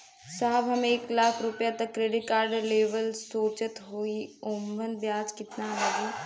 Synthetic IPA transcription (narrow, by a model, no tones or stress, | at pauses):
saːəbɦəmẽɪklaːkʰɾʊpjaːt̪əkːɾeɖɪʈ̚kaːɾɖleːʋəlsoːt͡ʃət̪ɦoːiːoːmbənbjaːd͡ʒkɪt̪naːləɡiː